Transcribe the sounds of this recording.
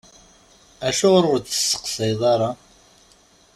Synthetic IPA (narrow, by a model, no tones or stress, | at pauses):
æʃʊʁɾʊɾt̪ə̥sːə̥qsæjðˤɑɾˤɑ